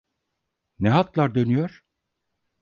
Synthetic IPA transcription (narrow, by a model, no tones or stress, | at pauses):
nɛɦat̪lˠaɾd̪ø̞nyjoɾ̥